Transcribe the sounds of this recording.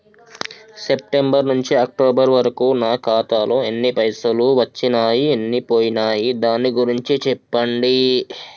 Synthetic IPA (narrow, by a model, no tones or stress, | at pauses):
sep̚ʈe̞mbɐɾnuɲt͡ʃiɐk̚ʈoːbɐɾʋɐɾɐkuːnaːkaːt̪aːloːenːipɐjsɐluʋɐt͡ʃːinaːjienːipoːjinaːjid̪aːnːiɡuɾiɲt͡ʃit͡ʃɛpːɐɳɖi